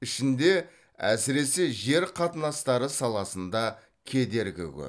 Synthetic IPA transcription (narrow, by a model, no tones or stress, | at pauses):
ɪʃɪnd̪e̞ | æ̰sɪɾe̞se̞ʒe̞ɾqʰɑt̪ənɑst̪ɑɾəsɑlˠɑsənd̪ɑ | kʲʰe̞d̪e̞ɾɡʲɪ̰kʲɵ̰